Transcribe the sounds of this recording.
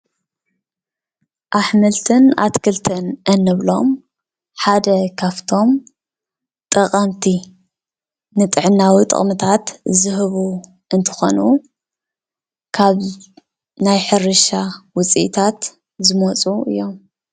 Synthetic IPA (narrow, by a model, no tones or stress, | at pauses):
ʔaħmɨlt̪ʰɨna̰t̪kʰɨlt̪ʰɨnʔɐnːɨβlo̞̰m | ħad̪ɐkʰaβt̪ʰo̞m | t̪ʼɐqʼɐmt̪ʰi | nɨt̪ʼɨʕɨnːawit̪ʼɨ̰χʼmɨt̪ʰat̪zɨɦɨβu | ʔɨnt̪ʰɨ̥xo̞̰nu | kʰaβ | najħɨɾɨʃawʊt͡sʼḭʔt̪ʰat̪ | zɨmot͡sʼuʔɨ̰jːo̞m